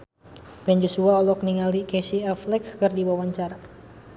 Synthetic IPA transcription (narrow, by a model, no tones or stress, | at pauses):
bɛnd͡ʒosuaɔlɔk̚niŋalikɛsiɛflɛkːɨrdiwawaɲt͡ʃaɾa